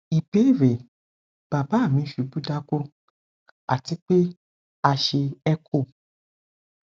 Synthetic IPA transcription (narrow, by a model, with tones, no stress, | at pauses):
i˨be˨˦i˦˨ɾe˨ | b̥a˨ba˨˦˨mĩ˨˧˦ʃu˨˦bu˦da˦ko˦ | a˨ti˨˦k͡pe˦ | a˧ʃe˧ɛ˦kʰo˦˨